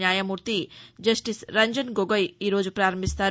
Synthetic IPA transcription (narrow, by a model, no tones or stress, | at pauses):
jaːjɐmuɾt̪id͡ʒɐsʈisɾɐɲd͡ʒənɡoɡəjiɾoːd͡ʒpɾaːɾəmist̪ʰa